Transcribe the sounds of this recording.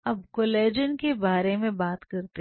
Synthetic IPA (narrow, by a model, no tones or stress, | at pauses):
ɐb̚koleːd͡ʒənkebaːɾemẽbaːt̪kɐɾt̪e